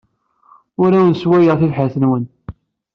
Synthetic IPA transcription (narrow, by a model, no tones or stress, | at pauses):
ʊɾæwnswæjəʁθilħəθənwən